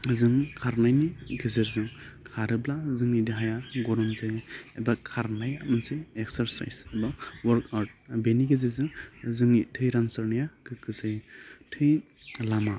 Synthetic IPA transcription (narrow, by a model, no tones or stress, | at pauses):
zɯŋkʰaɾnajniɡɯzɯɾzɯŋkʰaɾɯblazɯŋidiɦajaɡɔɾɔmzɯjebakʰaɾnajamɯnsɯjeksaɾsa̰jsbawɔɾkaɾt̚beniɡɯzajzɯŋzɯŋitʰɯjɾansɯɾnijaɡɯɡɯzɯjtʰɯj | lama